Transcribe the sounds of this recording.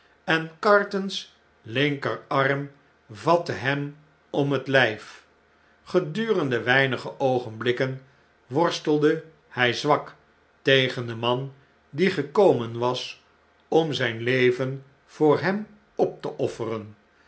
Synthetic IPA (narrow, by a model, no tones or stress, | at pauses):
ɛnkɑɹtəns | lɪŋkəɹɑrm | vɑtəɦɛm | ɔmɦətlɛjf | χədyːrəndəʋɛjnəχəʔowχənblɪkən | ʋɔɹstəlˠdə | hɛjzʋɑk | tejχəndəmɑn | diχəkowmənʋɑs | ɔmzɛjnlejvən | v̥ʊːɹɦɛm | ɔp̚təʔɔfərən